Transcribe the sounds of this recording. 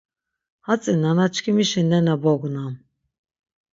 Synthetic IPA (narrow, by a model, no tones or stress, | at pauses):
hat͡sʼinanat͡ʃʰkʰimiʃinɛnabɔɡunam